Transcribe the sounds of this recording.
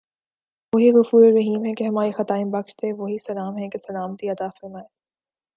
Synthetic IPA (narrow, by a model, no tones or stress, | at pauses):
ʋoɦiɣʊfuːɾeɾɐɦiːmɦɛkeɦɐmaːɾixɐt̪aːɪ̃bɐkʃt̪eʋoɦisɐlaːmɦɛ̃kesɐlaːmt̪iɐt̪aːfɐɾmaːe